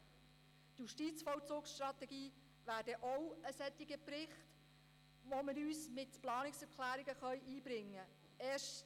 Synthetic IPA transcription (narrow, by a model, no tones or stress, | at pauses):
tjuʃtiːt͡sfɔwt͡soːksʃtrɑt̪ɛɡiː | ʋæːɾdəʔɔwəsɛt̪ːɪɡəpɾɪχt | ʋoməɾyːsmɪtplɑːnɪksɛɾkʰlæːɾiɡəχœʏʔiːbɾɪŋːə | ɛːʃ